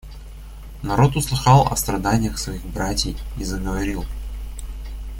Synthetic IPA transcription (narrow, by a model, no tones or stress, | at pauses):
nɐɾo̞t̪ʊslˠɨxɑlˠɐ̰st̪ɾɐd̪anʲɪjəxsvɐiɣbɾatʲɪjizəɡəvɐɾʲilˠ